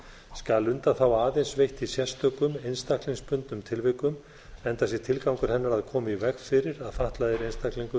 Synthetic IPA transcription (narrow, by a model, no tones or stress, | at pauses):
skalʏnt̪aθawaːðejnsvejht̪isjɛst̪œkʏmejnst̪ahkliŋspʏnt̪nʏmt̪ʰɪlvɪkʏm | ɛnt̪asjɛɾt̪ʰɪlkawŋkʏɾ̥hɛnːaɾaðkʰɔːmivɛkfɪːɾɪɾaðfaht̪laðɪɾejnst̪ahkliŋkʏ